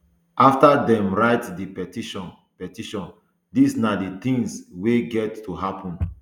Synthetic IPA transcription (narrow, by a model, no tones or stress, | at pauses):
ʔaftadɛ̃mɹaɪtdipɛtiʃɔ̃n | pɛtiʃɔ̃n | disnadit̪ĩŋsweɡɛtʰːuɦapʰɔ̃n